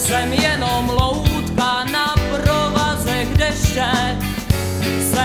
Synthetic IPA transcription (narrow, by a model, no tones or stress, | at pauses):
sɛmjɛnomlowt̪ka | napɾovazɛɡdɛʃsɛ | sɛ